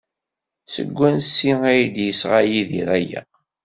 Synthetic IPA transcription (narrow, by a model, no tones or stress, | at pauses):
sə̰ɡʷːænsːiæjd̪jəsʁajiðiɾæjæ̰